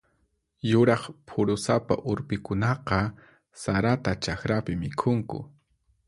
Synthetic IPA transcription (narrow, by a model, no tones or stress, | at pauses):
jʊɾɑχpʰʊɾʊsapa̰ʔʊɾpɪkʊnɑqɑ | saɾat̪at͡ʃaxɾapɪmɪkʰʊŋkʊ̰